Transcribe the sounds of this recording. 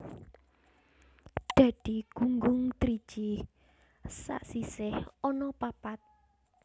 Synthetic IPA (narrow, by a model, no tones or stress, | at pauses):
d̪̥ä̤d̪̥iɡ̥uŋɡʊŋt̪ɾi̥t͡ʃi | sa̰ʔsisɪhɔnɔpapat̪̚